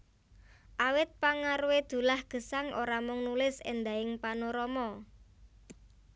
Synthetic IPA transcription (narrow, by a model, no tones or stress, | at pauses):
ʔawɪt̪̚paŋaɾuwed̪̥ṳlahɡ̥ə̤saŋʔoɾamʊŋnulɪsḛnd̪aɪŋpanoɾɔmɔ